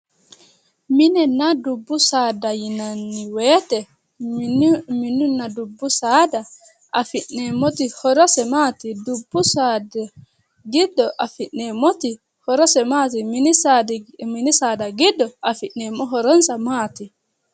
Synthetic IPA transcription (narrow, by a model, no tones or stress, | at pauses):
minɛnadubːusaːdajinanːiwɛtɛ | minunadubːusaːda | ʔafinːɛmotihɔɾɔsɛmatidubːusada | ɡidːɔʔafinːɛmoti | hɔɾɔsɛmatiminisadminisadaɡidːɔafiʔɛmɔɦɔɾɔnsamati